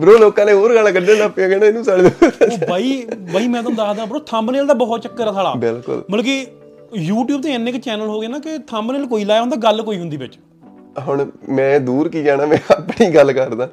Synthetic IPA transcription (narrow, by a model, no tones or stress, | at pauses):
bəɾoːloːkãːnẽːoːɾɡəlkəɖeːnaːpãːkɛnãːɪnũːsaːɽeːd̪ubaːiːbaːiːmɛ̃ːt̪õːd̪aːd̪aːbəɾoːt̪ʰə̃mbneːld̪aːbəɦt̪t͡ʃəkːəɾaːt̪ʰaːɽa̰ːbɪlkʊ̰lməlːki | juːʈjuːb̚t̪ẽːɪnːɪkt͡ʃɛːnəlɦoːɡɪaːnãːkɪt̪ʰəmbneːlkoːiːlaːjɦõnd̪aːɡəlkoːiːɦʊnd̪iːbɪt͡ʃ | ɦʊɳmɛ̃ːd̪uːɾkiːd͡ʒaːɽãːmɛ̃ːəpɳiːɡəlkəɾd̪aː